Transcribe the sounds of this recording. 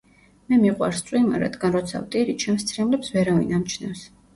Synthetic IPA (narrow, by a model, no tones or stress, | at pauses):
mɛmiʁʼwa̰ɾst̪sʼwima̰ɾa̰d̪ɡanɾɔt̪sʰa̰vt̪ʼiɾit͡ʃʰɛmst̪sʰɾɛmlɛpsvɛɾavḭnamt͡ʃʰnafs